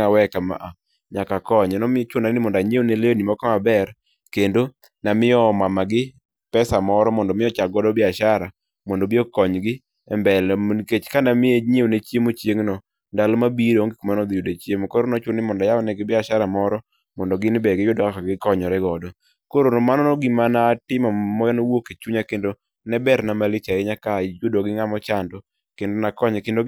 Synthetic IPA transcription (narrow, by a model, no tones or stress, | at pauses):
awɛkama̰ʔa | ɲakakɔɲɛnɔmɪt͡ʃʊnanɪmɔndaɲewoneleonimɔkɔabɛɾ | kendo | namɪjɔmamaɡɪ | pɛsamɔɾɔmɔndɔmɪjɔt͡ʃaɡɔdɔbɪaʃaɾa | mɔndobɪɔkɔɲɡɪ | ɛmbɛlnket͡ʃkanamɪeɲewonet͡ʃjemot͡ʃjeŋnɔ | ndalɔmabiɾoŋɡikomanɔd̪ɪjodet͡ʃjemokoɾonɔt͡ʃonɪmɔndajaɔnɛɡɪbɪaʃaɾamɔɾɔ | mɔndɔɡɪnbɛɡɪjʊdɔkakaɡɪkɔɲɔɾɛɡɔdɔ | koɾonomanɔnɔɡɪmanatɪmamɔjɔnowoket͡ʃuɲakendo | nɛbɛɾnamalɪt͡ʃaɪɲakajʊdoɡɪŋamɔt͡ʃandɔ | kendonakɔɲkendo